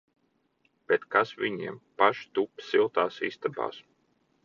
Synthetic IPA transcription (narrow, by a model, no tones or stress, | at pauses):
b̥et̪kasvʲiɲḭɛmpaʃt̪upsilˠt̪aːsḭst̪aba̰ːs